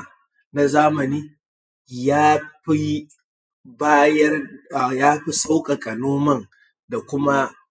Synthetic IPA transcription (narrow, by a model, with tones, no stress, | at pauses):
na˦zaː˦mɐ˨niː˦ | jaː˦ɸi˦ | baː˦jɐ˦rjaː˦ɸi˦sa˦wkʼa˨kʼɐ˨noː˦mɐ˦˨ŋ | da˨kʷʊ˦ma˦